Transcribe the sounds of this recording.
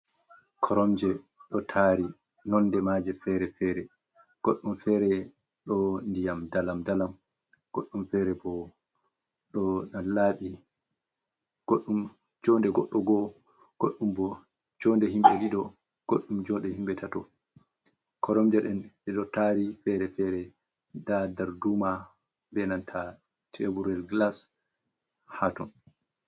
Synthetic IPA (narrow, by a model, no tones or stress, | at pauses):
kʰɔɾɔmd͡ʒɛ | ɗɔtʰaɾi | nɔnːdɛmad͡ʒɛfɛɾɛfɛːɾɛ | ɡ̥oɗːumfɛːɾɛ | ɗɔndijamdalamdalam | ɡ̥oɗːumfɛɾɛbɔ | ɗɔnalaːɓi | ɡ̥oɗːum | d͡ʒɔːndɛɡɔɗːɔɡɔ | ɡ̥oɗːumbɔ | d͡ʒɔndɛɦimɓɛwiɗɔ | ɡ̥oɗːumd͡ʒɔnɗɛhimɓɛtʰatɔ̰ | kʰɔɾɔmd͡ʒaɗɛnɛɗɔtaɾifɛɾɛfɛɾɛ | dadaɾduma | bɛnantʰa | tʰebuɾɛlɡlas | hatɔn